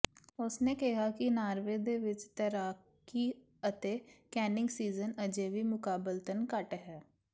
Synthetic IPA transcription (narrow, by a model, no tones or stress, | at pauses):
ʊsneːkɪɦaːkinaːɾʋeːd̪eːʋɪt͡ʃt̪əɾaː | ki | ət̪eːkɛːnɪ̃ŋɡsiːzənəd͡ʒeːʋiːmʊkaːbəlt̪ənkəʈɦɛː